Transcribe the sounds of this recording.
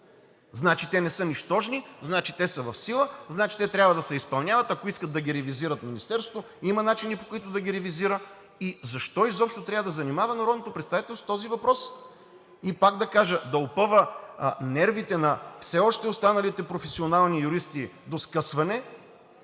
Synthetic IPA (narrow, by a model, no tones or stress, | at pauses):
znat͡ʃit̪ɛnɛsɤniʃt̪ɔʒniznat͡ʃit̪ɛsəvɐfsilˠəznat͡ʃi̥t̪ɛt̪ɾʲjabvəd̪ɐsɛispɐlˠnʲjavɐt̪ɐkoiskət̪d̪ɐɡʲiɾɛviziɾət̪minist̪ɛɾsot̪o | imɐnat͡ʃinipokʊit̪ʊd̪ɐɡʲiɾɛviziɾə | izɐʃt̪ɔizɔpʃt̪oʊt̪ɾʲavəd̪ɐzɐnimavɐnɐɾɔd̪not̪opɾɛt̪st̪avit̪ɛlˠsot̪ɔzivɐpɾɔs | ipaɡ̚d̪ɐkaʒəd̪ɐopɤvənɛɾvit̪ɛnɐfsɛɔʃt̪ɛost̪anɐlit̪ɛpɾofɛsionalˠnijuɾist̪id̪oskəsvɐnɛ